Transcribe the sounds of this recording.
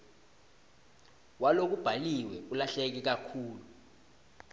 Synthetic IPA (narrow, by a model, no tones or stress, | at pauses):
walok̬ub̥ʱaliwɛk̬ulaɬɛk̬ik̬akʰuːlu